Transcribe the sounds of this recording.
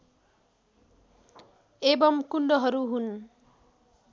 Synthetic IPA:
ebʌmkunɖʌɦʌɾuɦun

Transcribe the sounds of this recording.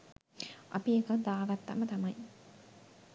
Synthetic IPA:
ʔɐ̰piekɐd̪aːɡɐt̪ːa̰mɐt̪ɐmɐj

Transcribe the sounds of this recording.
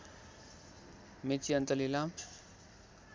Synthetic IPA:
met͡siʌnt̪əlilam

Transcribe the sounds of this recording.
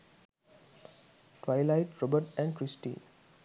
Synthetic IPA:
ʈwaɪlaɪʈɾɔbəʈɛ̃ɳɖkɾisʈḭ

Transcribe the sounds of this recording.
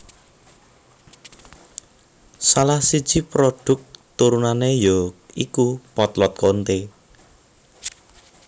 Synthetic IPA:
salahsid̥ʒ̥i̤pɾodɖ̥ʊ̤k̚t̪uɾunanejoikupɔt̪lɔt̪̚kont̪e

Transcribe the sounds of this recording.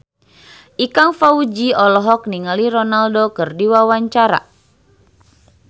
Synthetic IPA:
ʔikaŋfaud͡ʒiɔlɔɦɔk̚niŋaliɾɔnaldokɨrdiwawaɲt͡ʃaɾa̰

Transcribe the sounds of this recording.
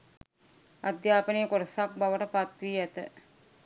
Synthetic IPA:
ad̪jaːpəneːkoɾəsak̚baʋəʈəpat̪ʋiːæt̪ə

